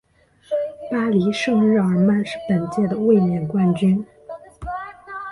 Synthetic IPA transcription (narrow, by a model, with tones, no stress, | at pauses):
pa˥li˧˥ʂɤ˥˧ŋɻɻ̩˥˩ə˞˨˧˥ma˥˧nʂɻ̩˥˩pə˨˩nt͡ɕjɛ˥˩d̪ə˩we˥˩ɪmjɛ˨˩nkwa˥˩nt͡ɕy˥n